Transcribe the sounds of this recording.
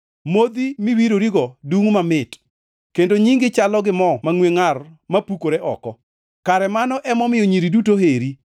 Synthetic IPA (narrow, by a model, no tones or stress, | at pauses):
mod̪imiwiɾoɾiɡɔduŋmamɪt | kendoɲiŋɡɪt͡ʃalɔɡɪmɔmaŋweŋarmapukoɾeʔɔkɔ | kaɾɛmanɔʔɛmɔmɪjoɲiɾidutoɦeɾi